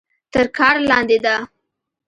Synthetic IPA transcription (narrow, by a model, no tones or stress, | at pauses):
t̪əɾkʰɑɾlɑnd̪ed̪a